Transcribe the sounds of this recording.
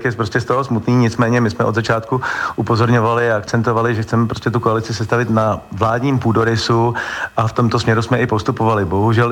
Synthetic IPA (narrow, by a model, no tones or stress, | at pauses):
kjɛpɾoscʲɛst̪oɦosmut̪niːɲɪt͡smɛːɲɛmɪsmɛʔo̞d̪zat͡ʃaːt̪kuʔupo̞zo̞ɾɲo̞valɪaakt͡sɛnt̪ovalɪʒɛxt͡sɛmɛp̬ɾo̞scɛt̪ukoalɪt͡sɪsɛst̪avɪt̪navlaːdɲiːmpuːdoɾɪsuʔaft̪o̞mt̪osmɲɛɾusmɛʔɪpo̞st̪upovalɪbo̞ɦuʒɛl